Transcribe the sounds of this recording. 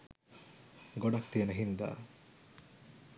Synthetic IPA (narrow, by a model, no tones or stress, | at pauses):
ɡoɖɐk̚t̪iɐnəɦind̪a̰ː